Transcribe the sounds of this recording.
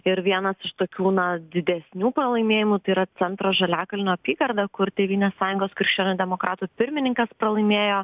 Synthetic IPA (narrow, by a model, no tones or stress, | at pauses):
ɪɾʋʲiɛnɐsɪʃt̪oːkʲuːnɐd̪ʲɪd̪ʲɛsʲnʲuːpɾɐlˠɐɪmʲeːjɪmut̪ɐɪiɾɐsʲɛnt̪ɾoːʒɐlʲæːkɐlʲɪnoːɐpʲiːɡɐɾd̪ɐkʊrt̪ʲeːʋʲiːnʲeːssɑːjʊŋɡoːskɾɪkʃʲt͡ʃʲoːnʲud̪ʲɛmoːkɾɑːt̪uːpʲɪɾʲmʲɪnʲɪŋkɐspɾɐlˠɐɪmʲeːjoː